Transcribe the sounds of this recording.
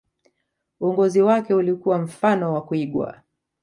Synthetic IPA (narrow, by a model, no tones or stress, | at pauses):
uɔŋɡɔziwakɛulikuwam̩fanɔwakuiɠwa̰